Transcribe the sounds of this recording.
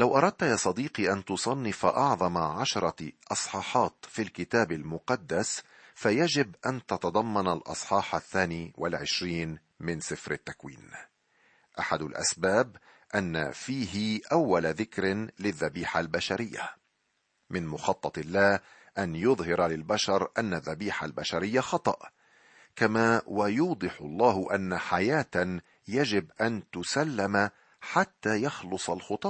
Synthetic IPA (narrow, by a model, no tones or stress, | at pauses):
lawʔɑɾˤɑd̪̚t̪ajaːsˤɑd̪iːqiʔant̪ʊsˤɑnːɪfaʔɑʕðˤɑmaʕaʃɑɾˤɑʔɑsˤħɑːħɑːt̪filkɪt̪aːbalmʊqɑd̪ːas | fajad͡ʒɪbʔant̪ɑt̪ɑd̪ˤɑmːɑnalʔɑ̰sˤħɑːħaθːaːniːwʔalʕɪʃɾiːn | mɪnsɪfɾɪt̪ːakwḭːn | ʔaħad̪ʊlʔa̰sbaːb | ʔanːa̰fiːɦɪʔawːalaðɪkɾlɪðːabiːħalbaʃaɾɪjːa̰ | mɪnmʊxɑt̪ˤːɑt̪ˤɪlːaː | ʔanjʊðˤhɪɾalɪlbaʃɑɾˤʔanːaðːabiːħalbaʃaɾɪjːaxɑt̪ˤɑʔ | kamaːwajuːd̪ˤɨħʊlˤːɑːɦʊʔanːaħajaːt̪ | jad͡ʒɪbʔant̪ʊsalːama | ħat̪ːaːjɑxlʊsˤalxʊt̪ˤɑː